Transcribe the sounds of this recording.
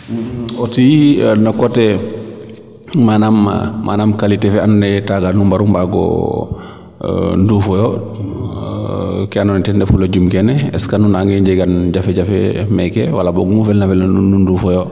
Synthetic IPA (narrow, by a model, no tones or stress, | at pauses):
ɔtijinɔkɔtɛ | manam̰manamkalitɛfɛannɛtaɡanumbaɾumbaɡɔ̰ | ndufɔjɔ | kɛanɔnɛtɛndɛfulad͡ʒumkɛnɛɛskanunaŋɡɛɲd͡ʒɛɡanɟafɛɟafɛ̰mɛkɛ̰walabɔɡumufɛlnafɛlnanunundufɔjɔ